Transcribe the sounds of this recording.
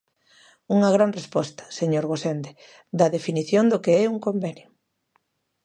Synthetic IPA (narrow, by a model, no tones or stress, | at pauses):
uŋɐɣ̞ɾanrespɔst̪ɐ̥seɲoɾɣosend̪e | d̪ɐðefiniθjond̪ʊkeɛuŋkombenjo